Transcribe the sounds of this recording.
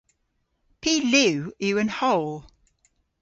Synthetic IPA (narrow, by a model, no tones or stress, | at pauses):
pʰiːlʉʉːə̃nhɔʊlˠ